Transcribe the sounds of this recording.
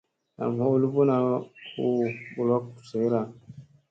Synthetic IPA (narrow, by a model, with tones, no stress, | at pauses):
na̰˨m˨ho˦u˦lu˦bu˦na˨hu˦bu˨lɔ˦kse˨˦ɾa˨